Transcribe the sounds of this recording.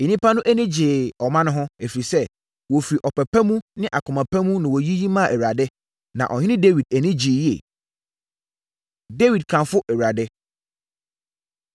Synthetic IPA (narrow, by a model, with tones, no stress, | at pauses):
e˨nĩ˦pʰa˦nʊ̃˦ʔæ˦nĩ˦d͡ʑɪ˨ɔ˨mã˦nʊ̃˦ɦʊ̃˦e˨fi˨ɾi˨sɛ˦ | wɔ˨fi˨ɾi˨ʔɔ˨pʰɛ˨pʰæ˦mũ˦nɪ̃˦ʔa˨kʰʊ˨mã˨pʰæ̃˦mũ˦nɪ̃˨wɔ˨ji˦ji˦mã˦˨ʔɛ˨wa˨dɛ˦ | nã̰˨ʔɔ̰˨ɲɪ˦ɪ̃˦de˦wi˨d̚æ˨nĩ˦d͡ʑɪː˨ji˦ɛ̰˨ | de˦wi˨d̚kʰã˨fʊ˦ʔɛ˨wɾa˨dɛ˦